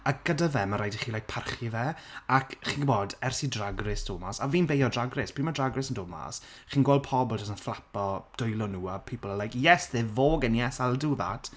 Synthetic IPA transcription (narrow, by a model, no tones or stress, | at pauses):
aɡ̥ədavɛmaɾajdiχiːlˠajk̚pʰarχivɛakʰχiːnɡboːdɛrsidraɡrɪsd̥ʊlˠmasaviːnbejɔdraɡrɪspʰiːmadraɡrɪsəndʊlˠma̰s | χiːnɡwɔlpʰɔblˠtʰɔsənflˠapɔd̥ʊjlˠɔnuːapʰiːpəlˠalajkjɛsðevoːɡɛnjɛsalˠduða̰tʰ